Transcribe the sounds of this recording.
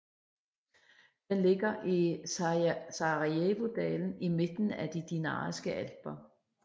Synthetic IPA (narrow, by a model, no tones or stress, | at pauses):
d̥enle̝ɡ̥ɐʔi | sɑʁieʋo̝d̥ɛːln̩ime̝d̥n̩æd̥id̥inɑ̰ːsɡ̥əʔælb̥ɐ